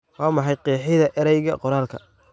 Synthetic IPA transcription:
wɑːmɑħɑjqiːħɪðɐʔɛɾɛjɣɐqɔɾaːlkʰɐ̰

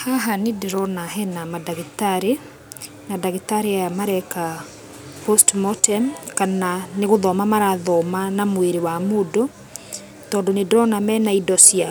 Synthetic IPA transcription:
haɦanedeɾɔnaɦɛnamadaɣitaɾe | nadaɣitaɾeajamaɾɛka | pɔstmɔtɛmkananeɣoðɔmamaɾaðɔmanamweɾewamodo | tɔːndɔnedeɾɔnamɛːnaidɔsia

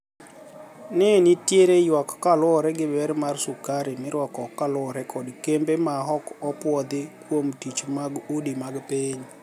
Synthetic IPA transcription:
nɛnitjeɾejwakkalwɔɾɛɡɪbɛɾmarsʊkaɾɪmɪɾwɔkɔkːalwɔɾɛkɔdkembemaɦɔkɔpwɔd̪ɪkwomtit͡ʃmaɡudimaɡpeɲ

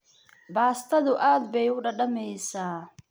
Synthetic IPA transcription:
baːst̪ʰɐðʊʔaːd̪bɛjʊɖɐɖɐmɛjsaː

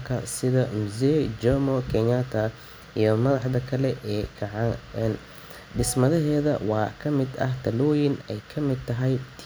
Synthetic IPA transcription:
kʰɐsɪðɐmuzɛd͡ʒɔmɔkʰɛɲat̪ʰɐ | ijɔmɐðɑħd̪ɐkʰɐlɛʔɛːkʰɐʕɑɛn | ɖɪsmɐðɐɦɛːðɐwɑːkʰɐmɪd̪ɐ̰ɦt̪ʰɐlɔːjɪnɛjkʰɐmɪd̪̚t̪ʰɐɦɛjt̪ʰ

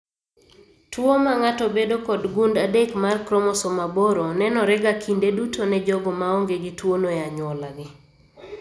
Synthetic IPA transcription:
twomaŋatɔbedokɔdɡundadekmarkɾɔmɔsomaboɾonɛnɔɾɛɡakindedutonɛd͡ʒɔɡɔmaoŋɡeɡɪtwonojaɲɔlaɡɪ

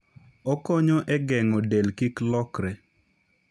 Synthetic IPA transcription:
ɔkɔɲɔʔɛɡɛŋɔdelkiklɔkɾɛ

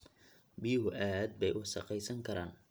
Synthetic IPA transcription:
biɦʊʔaːd̪̚bɛjʔʊʃɐqɛjsɐŋkʰɐɾaːn

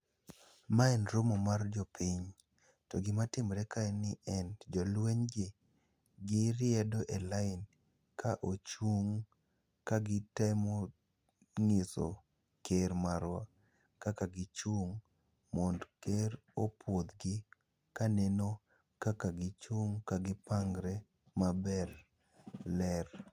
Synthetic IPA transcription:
maɛnɾʊmomard͡ʒɔpʰɪɲ | toɡɪmatɪmɾɛkaɛnɪɛnd͡ʒolweɲɡe | ɡɪɾɪɛdoʔelaɪn | kʰaʔot͡ʃuŋ | kaɡɪtajmo | ŋɪso̰ | keɾmaɾwa | kakaɡɪt͡ʃuŋ | mondkeɾopʰwod̪ɡɪ | kaneno | kakaɡɪt͡ʃuŋkaɡɪpaŋɡɾɛ | mabɛr | lɛr

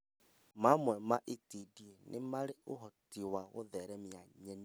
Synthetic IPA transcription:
mamwɛmaʔetidienʔḛmaɾeoɦɔtiwaɣoðɛɾɛmjaɲɛni

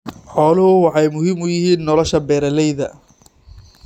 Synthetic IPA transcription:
ħɔːlʊhʊwɑħɑjmʊɦɪmʊjɪɦiːnːɔlɔʃɐbɛːɾɐlɛjðɐ

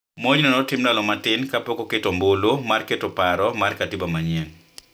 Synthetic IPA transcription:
moɲnɔnɔtɪmdalɔmatɪnkapokoketombolomarketopaɾɔmarkatibamaɲen

